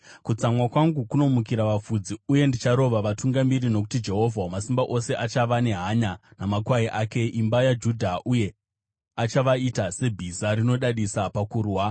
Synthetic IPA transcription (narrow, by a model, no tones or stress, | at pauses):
kut͡samwakwaŋɡukuno̞mukiɾaʋafud͡ziuje̞ndit͡ʃaɾo̞ʋaʋatuŋɡamirino̞k̬u̥tid͡ʒe̞ɦo̞vʱaomasimbaʔo̞se̞ʔat͡ʃaʋane̞ɦaɲanamakwaiʔaːke̞ʔimbajad͡ʒudʱaʔuje̞ | at͡ʃaʋaitase̞bʱizaɾino̞ɗaɗisapakuːrwa